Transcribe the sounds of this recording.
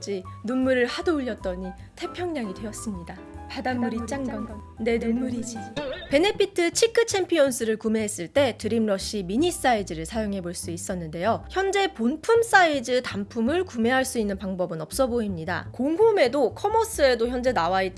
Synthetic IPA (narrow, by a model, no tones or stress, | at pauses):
d͡ʑinunːuɾɯɭhadouʎːʌt̚t͈ʌɲi | tʰe̞pʰjʌŋɲaŋidwe̞jʌs͈ɯmɲida | padamːuɾit͡ɕ͈aŋɡn | ne̞nunmːuɾid͡ʑpe̞nepʰitʰɯt͡ɕʰikʰɯt͡ɕʰe̞mpʰionsʰɯɾɯɭkume̞ɦes͈ɯɭt͈e̞tɯɾimɾʌɕ͈imiɲis͈aid͡ʑɯɾɯɭsʰajoŋɦe̞boɭs͈uis͈ʌnːɯnde̞joçjʌnd͡ʑe̞ponpʰums͈aid͡ʑɯtampʰumɯɭkume̞ɦaɭs͈uinːɯnpaŋbʌbɯnʌp̚s͈ʌboimɲida̰koŋɦume̞dokʰʌmʌs͈ɯe̞doçjʌnd͡ʑe̞nawai